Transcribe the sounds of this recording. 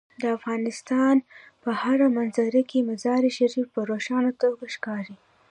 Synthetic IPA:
d̪əafɣɑnɪst̪ɑn | pəhaɾamanzaɾakemazɑɾiʃaɾifpəɾoʃɑnat̪oɡaʃkɑɾi

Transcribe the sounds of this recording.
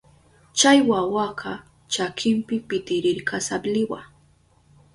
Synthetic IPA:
t͡ʃajwawaɢʰɑ | t͡ʃakʰɪmpɪpɪt̪ɪɾɪɾkʰasablɪwa̰

